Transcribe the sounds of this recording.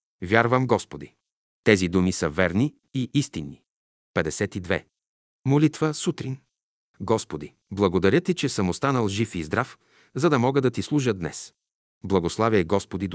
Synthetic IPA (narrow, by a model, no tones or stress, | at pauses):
vʲjaɾvəmɡɔspod̪i | t̪ɛzid̪umisəvɛɾni | iʔist̪inːi | pɛd̪ɛsɛt̪id̪vɛ̰ | molit̪vəsut̪ɾin | ɡɔspod̪i | blˠɐɡod̪ɐɾʲjət̪it͡ʃɛsəmost̪anəlˠʒifizd̪ɾaf | zɐd̪ɐmɔɡəd̪ɐt̪islˠuʒəd̪nɛ̰s | blˠɐɡoslˠaviɛɡɔspod̪id̪